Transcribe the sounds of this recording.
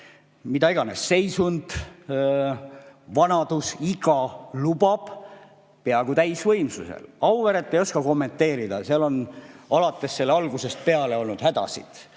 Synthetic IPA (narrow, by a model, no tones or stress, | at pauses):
mid̪̥ɑiɡɑne̞̰sːe̞jsund̪̥ | vɑnɑd̪̥usiɡ̥ɑlub̥ɑb̥ | pe̞ɑɡut̪æjsvɤ̞jmsuse̞̰lɑwveɾet̪ːejo̞skɑko̞mːe̞nt̪ːe̞ːɾid̪̥ɑseɑlo̞nɑlɑt̪ːˑe̞sːe̞lːeɑlɡ̥use̞st̪̚pe̞ɑle̞o̞lnud̪̥hæd̪̥ɑ̰sḭd̪̥